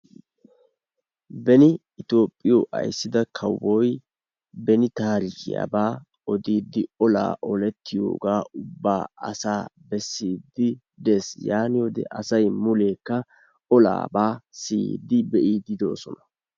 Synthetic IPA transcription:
bɛnɪ | ɪt̪o̞ːpʼːɪjɔʔɐ̰jsːɪd̪ɐkʰɐwɔj | bɛnɪt̪aːɾɪɡɪ̰ja̰ːbaː | ɔd̪iːd̪ːɪɔla̰ːʔɔlɛt̪ʰːɪjo̰ːɡaːʔʊbːaːɐ̰saːbɛsːiːd̪ːɪ | d̪esjaːnɪwɔd̪ɛ̰ʔɐsɐjmʊle̞ːkːɐ | ɔla̰ːbaːsiːd̪ɪbɛʔiːd̪ɪd̪o̞̰ːsɔnɐ

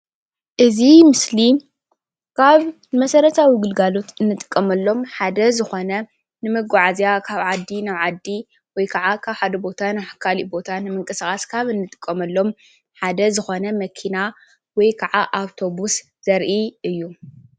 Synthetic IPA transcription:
ʔɨzimɨsli | kʰaβ | mɐsɐɾɐt̪ʰawiɡɨlɡalo̞t̪ɨnːɨt̪ʼɨ̥kʼːɐmɐlːo̞mħad̪ɐzɨxo̞nɐ | nɨmɨɡaʕazjakʰaβʕad̪ːinaβʕad̪ːi | wɔjkʰɐʕakʰaβħad̪ɐbo̞t̪ʰanaħkʰalibo̞t̪ʰanɨmɨŋkʼɨsaxʼaskʰaβɨnːɨt̪ʼɨ̥kʼːɐmɐlːo̞m | ħad̪ɐzɨxo̞nɐmɐkʰina | wɔjkʰɐʕaʔaβt̪ʰo̞bus | z̥ɐɾʔiɨjːu

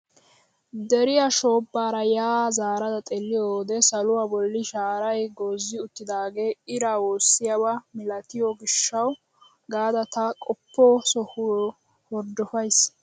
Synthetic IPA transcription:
d̪ɛɾɪjaʃo̞ːbːaːɾɐjaːzaːɾɐd̪ɐt̪ʼɛlːɪjoːd̪ɛsɐlʊwabɔlːɪʃaːɾɐjɡoːzːɪʊt̪ːɪd̪aːɡe̞ːɪɾawoːsːɪjabɐmɪlɐt̪ɪjɔɡɪʃːɐw | ɡaːd̪ɐt̪ɐkʼɔpːoːsɔhʊ | hɔɾd̪ɔfɐjs

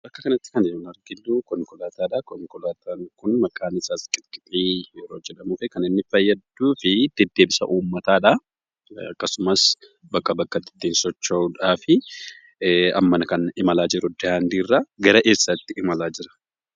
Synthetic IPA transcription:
ɐkːɐkɐnɐt̪ːɪ̥kɐnɪʊnɐɾɡɪlːuːkɔŋkʊlaːt̪aːᶑɐkɔŋkɔlaːt̪ʰaːŋkʊnmɐkʼaːnɪsaːskʼɪkʼɪtʼːiːjɛɾo̞ːd͡ʒɛᶑɐmuːfɛkɐnɪnːɪfɐjːɐd̪ːuːfɪd̪̥ɛd̪ːeːbɪsɐ̰ʔuːmːɐt̪aːᶑɐ | ɐ̰kːɐsʊmɐs | bɐkːɐbɐkːɐt̪ːɪ̥t̪ːinsɔt͡ʃːɐuᶑaːfɪ | ɐ̰mːɐnɐkɐnɪmɐlaːd͡ʒɪɾʊd̪ɛhaːnd̪iːrːaɡɐɾɐʔeːsːɐt̪ːɪɪmɐlaːd͡ʒɪɾɐ̥

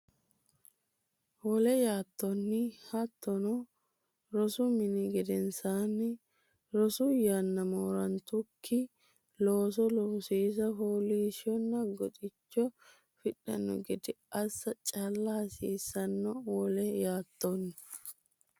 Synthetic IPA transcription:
wɔlɛjaːt̪ːɔnːɪhɐt̪ːɔnɔ | ɾɔsʊmɪnɪɡɛd̪ɛnsaːnːɪ | ɾɔsʊjɐnːɐmoːɾɐnt̪ʊkʰːɪ | loːs̬ɔlɔsiːs̬ɐɦoliːʃɔnːɐɡɔt̪ʼɪt͡ʃːɔ | fɪɗɐ̰nːɔ̰ɡɛd̪ɪʔɐsːɐt͡ʃʼɐlːɐhɐsḭːsːɐnːɔwɔlɛjaːt̪ːɔnːɪ

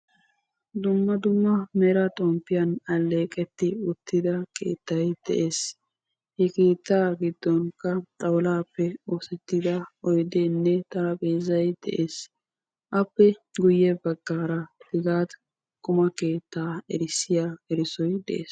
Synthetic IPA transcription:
d̪ʊmːɐd̪ʊmːɐmɛɾɐt̪ʼɔmpːɪjɐnɐlːe̞ːkʼɛt̪ːɪʊt̪ːɪd̪ɐkʰḛːt̪ːɐjd̪̥ɛ̰ʔe̞ːs | hɛkeːt̪ːaːɡɪd̪ːɔŋkɐt̪ʼɐwlaːpːɛoːsɛt̪ːɪd̪ɐɔjd̪eːnːɛt̪ɐɐpʼeːzɐjd̪̥ɛ̰ʔeːs | ʔɐpːɛɡʊjːɛbɐɡːaːɾɐd̪ɪɡaːt̪ | kʼʊmɐke̞ːt̪ːaːɛɾɪsːɪjaːɛɾɪsɔjd̪ɛ̰ʔḛːs

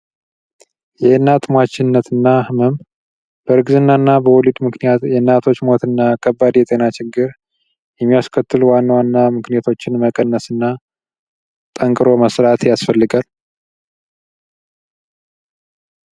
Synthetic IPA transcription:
jɛɨnːat̪mat͡ʃːɪnːət̪ɨnːahɨmɨm | b̥əɾɨɡzɨnːanːabəwɔlid̪mɨknijat̪jɛnːat̪ʰo̞t͡ʃːmo̞t̪ɨnːakʰəbːad̪jɛt̪ʼe̞nat͡ʃɪɡːɨɾ | jɛmːijaskʰət̪ːɨlwanːawanːamɨknijat̪ʰo̞t͡ʃːɪnməkʼənːəsɨnːa | t̪ʼəŋkʼɨɾo̞məsɾat̪jasfəlːɨɡal

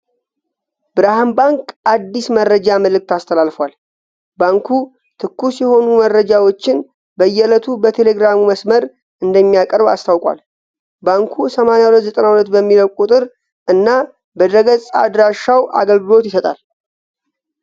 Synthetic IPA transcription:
bɨɾahambaŋkʔad̪ːismərːəd͡ʒaməlɨk̚t̪ast̪ʰəlalfwal | baŋkʰu | t̪ʰɨkːusjɛho̞numərːəd͡ʒawo̞t͡ʃːɪn | bəjːɛlət̪ʰubət̪ʰe̞le̞ɡɾamuməsməɾ | ɨnd̪əmːijakʼəɾba̰st̪ʰawkʼa̰l | baŋkʰusəmanejawulət̪zət̪ʼənawulət̪bəmːiləwkʼut̪ʼɨɾ | ʔɨnːa | bəd̪ɾəɡəsʼad̪ɾaʃawʔa̰ɡəlɡɨlo̞t̪jɪsət̪ʼal

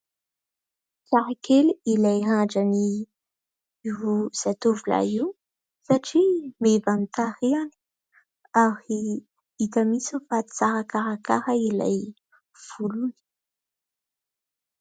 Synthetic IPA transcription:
saɾakʰeliilajɦaɖ͡ʐani | ioz̥at̪uvula̰iw | saʈ͡ʂimevanit̪aɾiani̥ | aɾi | it̪amisifai̥saɾakaɾakaɾaila̰j | v̥uluni̥

